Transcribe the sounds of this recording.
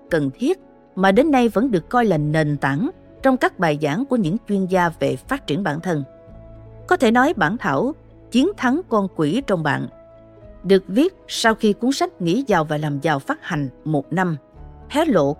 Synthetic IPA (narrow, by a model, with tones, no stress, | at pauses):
kə˨˩nt̪ʰi˦˥ət̚ | maː˨˩ɗe˨˦nːa˧jvə̰˧˥nɗɨ˨˩əkːɔ˧jlaː˨˩ne˨˩nt̪a˧˥n | t͡ɕɔ˧wŋ͡mkaː˦˥k̚ɓaː˨˩jzaː˧˥˩ŋku˧˩əɲɨ̰˧˥ŋt͡ɕwi˧ənzaː˧ve˨˩faː˦˥t̚t͡ɕi˧˩ənɓa̰ː˧˨nt̪ʰə˧n | kɔ˨˦t̪ʰe˧˩nɔ˨˦jɓaː˧˩nt̪ʰa̰ː˧˩w | t͡ɕi˨˦ənt̪ʰa˨˦ŋkɔ˧nkwi˧˩t͡ɕɔ˧wŋ͡mɓa̰ː˧˨n | ɗɨ˨˩ək̚vi˦˥ət̚sa˧wxi˧ku˨˦əŋsa˦˥jk̟̚ŋḭ˧˥zaː˨˩wvaː˨˩laː˨˩mzaː˨˩wfaː˦˥t̚ha˨˩jŋ̟mo˨˩t̚na˧mt̪ʰɛ˨˦lo̰˧˨